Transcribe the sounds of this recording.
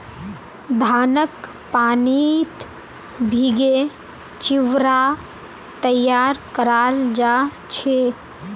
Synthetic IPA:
d̪ʱaːnək | paːnit̪ | bʱiɡe | t͡ʃiʋɾa | t̪əjːaːɾkəɾaːld͡ʒa | t͡ʃʰe

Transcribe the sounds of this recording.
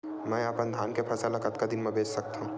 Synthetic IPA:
mɛ̃ːaːpɐ̃nd̪ʱaːnkepʰɐsəlakət̪kad̪ɪnmẽbʱeːd͡ʒsɐk̚t̪aɦũː

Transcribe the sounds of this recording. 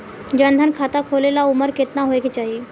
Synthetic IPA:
d͡ʒə̃nd̪ʱənkʰaːt̪akʰoːlelaʊməɾkɪt̪naɦoːeɡet͡ʃaːɦieː

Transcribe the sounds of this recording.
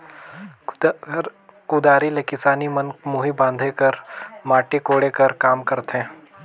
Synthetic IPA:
kud̪aːɾilekɪsaːnimɐnkmuːɦibãːnd̪ʱekɐɾmaːʈekoːɽekɐɾkaːmkɐɾt̪ɦɛ̃ː

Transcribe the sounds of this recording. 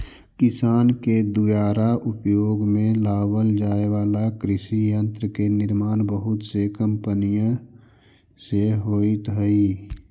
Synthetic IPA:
kɪsaːnked̪ujaːɾaʔʊpjoːɡmẽlaːwəld͡ʒaːeʋaːlakɾɪsijə̃nt̪ɾəkenɪɾmaːnbəɦʊt̪sekə̃mpənijã | seɦoːit̪ɦəi

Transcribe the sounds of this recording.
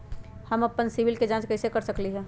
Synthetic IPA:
həmɐpːənsiʋɪlked͡ʒãːt͡ʃkɐɪsekɐɾsəkliɦɛ̃ː

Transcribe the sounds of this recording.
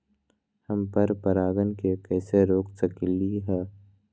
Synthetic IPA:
hɐmpəɾpəɾaːɡənkekɛːseɾoːksəkliɦɛː

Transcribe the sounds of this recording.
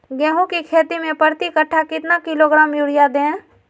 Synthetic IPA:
ɡɛ̃ːɦũkikʰeːt̪imẽpəɾt̪ikəʈʰːakɪt̪nakɪloɡɾaːmjuːɽijad̪ẽː

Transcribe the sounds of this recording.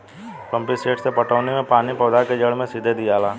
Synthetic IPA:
pə̃mpiseːʈsepɐʈʰəːʋnemẽpaːnipɐːd̪aked͡ʒəɽmẽsɪd̪ʱed̪ijaːlaː

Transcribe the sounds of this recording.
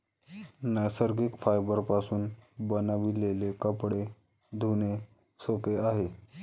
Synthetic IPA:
nəsəɾɡikfajbəɾpasuːnbənaʋilelekəpɽe | d̪ʱune | sopeaɦe

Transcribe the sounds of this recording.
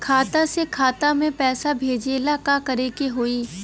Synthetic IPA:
kʰaːt̪asekʰaːt̪amẽpɛːsabʱeːd͡ʒeːlakakɐɾekeɦoːiː

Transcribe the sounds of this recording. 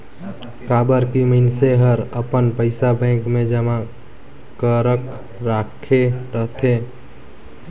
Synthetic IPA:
kaːbəɾkiməɪnseɦəɾəpənpəɪsabɛ̃ːŋkmẽd͡ʒəma | kəɾək | ɾakʰeɾəɦt̪ʰe

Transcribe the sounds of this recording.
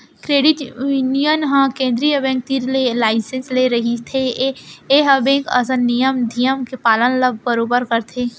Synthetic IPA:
kɾeːɖɪʈunijənɦãkẽːnd̪ɾiəbẽːŋk̚t̪iɾlelaːɪsẽnsleɾɐɦit̪ʰe | eɦəbẽkɐ̰sə̃nijəmd̪ʱijəmkepaːlənləb̚ʱbəɾoːbəɾkəɾt̪ʰe

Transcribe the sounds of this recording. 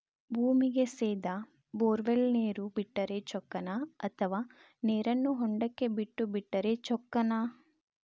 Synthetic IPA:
bʱuːmiɡe̞seːd̪ɐ | boːɾʋelneːɾubiʈːɐɾe̞t͡ʃɔkːɐnɐɐt̪ʰɐʋaː | neːɾɐnːuɦɔɳɖɐkːe̞biʈːubiʈːɐɾe̞t͡ʃɔkːɐnɐ

